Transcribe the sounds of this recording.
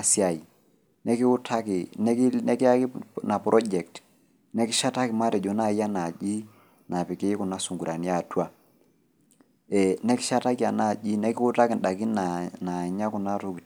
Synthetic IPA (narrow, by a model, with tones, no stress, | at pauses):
sja˨i˨ | nɛ˦kɪ˦ʊ˦tʰa˦kɪ˨nɛ˦knɛ˦kɪ˦a˦ki˦na˨pɾʔɔ˦d͡ʒɛ˨k̚t | nɛ˦kɪ˦ʃa˦ta˦kɪ˨ma˦ɾɛ˨d͡ʒɔ˨˦na˦˨˦ja˦na˨d͡ʒi˦ | na˨pɪ˨kɪ˦kʊ˨na˦su˨ŋɡu˨ɾa˨ni˦a˦˨twa˦ | ɛ˨nɛ˦kɪ˦ʃa˦ta˦kja˨na˦˨ʄi˦nɛ˦kɪ˦ʊ˦ta˦kɪ˨nɗa˨ki˦na˨na˨ɲa˦kʊ˨na˦tu˨k